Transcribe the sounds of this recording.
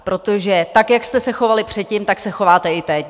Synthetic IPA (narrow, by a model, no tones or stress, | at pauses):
pɾo̞t̪oʒɛt̪akjakst̪ɛsɛxo̞valɪpr̝̥ɛt̪̚cɪmt̪aksɛxo̞vaːt̪ɛɪt̪ɛ